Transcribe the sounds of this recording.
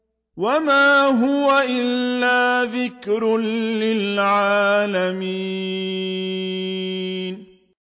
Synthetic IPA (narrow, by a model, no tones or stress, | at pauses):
wamaːɦʊwaʔɪlːaːðɪkɾlɪlʕaːlamiː | n